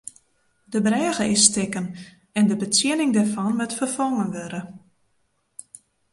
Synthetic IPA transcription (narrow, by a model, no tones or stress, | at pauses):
dəbrɛːɣəɪsːtɪkən | ɛndəbət͡sjɪnɪŋdɛrfɔnmɛtfərfɔŋənʋøɾə